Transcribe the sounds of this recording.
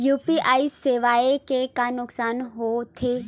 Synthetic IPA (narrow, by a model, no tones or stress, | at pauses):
juːpiʔaːiseʋaːekekanʊksaːnɦot̪ʰeː